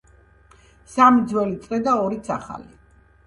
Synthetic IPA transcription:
samid̪zwɛlit̪sʼqʼɛd̪aɔɾit̪sʰaχa̰li

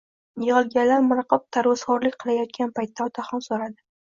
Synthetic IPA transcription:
jɨʁɨlˠɡʲanlːaɾmʊɾqɨp̚t̪ʰaɾwasχɒɾlɪkʲqʰɨlˠajɒt̪̚kʲanpʰajt̪ʰːaɒt̪ʰaχɒnsoɾad̪ɪ

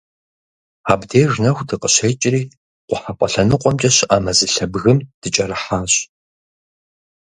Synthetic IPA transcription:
aːbdeːʐnɐxʷdɨqəɕejt͡ʃʼɪriː | qʷʊħapʷʼɔɬɐnɨqʷʼɔmt͡ʃʼɐɕɪʔaːmɐzɨɬɐbɣɨmd̥ɨt͡ʃʼɐrɨħaːɕʼ

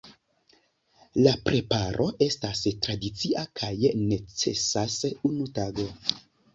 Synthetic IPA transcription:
lapɾʔe̞paɾʔo̞ʔe̞stastɾadit͡siʔakʰajne̞t͡se̞̰sasunutaɡo̞

